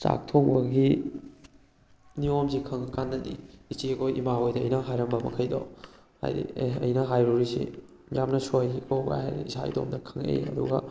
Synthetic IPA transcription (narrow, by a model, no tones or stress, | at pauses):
t͡ʃa̰k̚tʰoŋbɐɡi | niomzikʰɐŋɐkanːɐdḭit͡ʃiɐkʰojʔḭmaojdɐ̰ːjnɐɦajɾɐmbɐmɐ̰kʰɐjdo̰ | ha̰jdḭeɐ̰jnɐɦajɾuɾisḭ | jamnɐsojikʰowɡa̰hajɾiisaḭdo̰mdɐkʰɐŋḛj̰ɐ̰duɡɐ̰